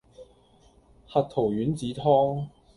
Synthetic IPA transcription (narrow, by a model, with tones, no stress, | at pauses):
hɐ˨t̚t̪ʰo˨˩wjyː˨˥nt͡siː˨˥t̪ʰɔː˥ŋ